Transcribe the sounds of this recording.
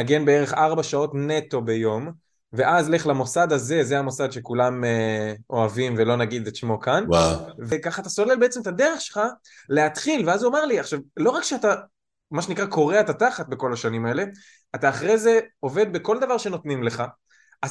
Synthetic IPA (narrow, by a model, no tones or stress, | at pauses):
naɡe̞nbe̞eʁe̞χaʁbaʃao̞tne̞t̪o̞be̞jo̞m | ve̞ʔazle̞χlamo̞sad̪aze̞zeamo̞sad̪ʃe̞kulameo̞avimvelo̞naɡid̪et̪ʃmo̞kanwavekaχaːt̪aso̞le̞lbe̞et͡semet̪ad̪eʁeχʃelχa | le̞at̪χilveazuameʁliaχʃavlo̞ʁakʃeat̪a | maʃenikʁako̞ʁeaet̪at̪aχat̪̚be̞ko̞laʃanimae̞le̞ | at̪aːχʁeze̞o̞ve̞d̪̚be̞ko̞ld̪avaʁʃe̞no̞t̪nimle̞χa | ʔa